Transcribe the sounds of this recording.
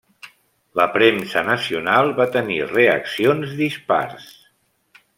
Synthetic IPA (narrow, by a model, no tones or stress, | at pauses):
ləpɾemsənəsiunalˠβat̪ənireə̰ksionzðispa̰ɾs